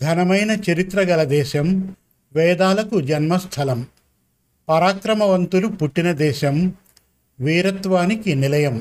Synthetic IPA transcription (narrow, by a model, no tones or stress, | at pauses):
ɡʱɐnɐmɐjnɐt͡ʃɐɾit̪ɾɐɡɐlɐd̪ɛːʃɐm | ʋɛːd̪aːlɐkud͡ʒɐnmɐst̪ʰɐlɐm | pɐɾaːkɾɐmɐʋɐnt̪ulupuʈːinɐd̪ɛːʃɐm | ʋiːɾɐt̪ʋaːnikinilɐjɐm